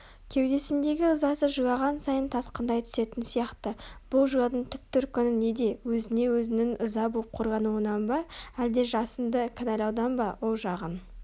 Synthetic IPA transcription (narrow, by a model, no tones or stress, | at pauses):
kʲʰe̞wd̪e̞sɪnd̪e̞ɡʲɪʊzɑsəʒʊjɑʁɑnsɑjənt̪ʰɑsqənd̪ɑjt̪ʰʏ̥se̞t̪ɪnsijɑqt̪əb̥ʊlˠʒujɑd̪əɴt̪ʰʏp̚t̪ʏɾkʲʏnɪne̞d̪e̞wɵzɪne̞wɵzɪnɪŋʊzɑbolˠəp̚qʰo̞ɾʁɑnuwənɑnbɑæld̪e̞ʒɑsənd̪əkʰanɑlʲɑwd̪ɑnbɑwolˠʒɑʁən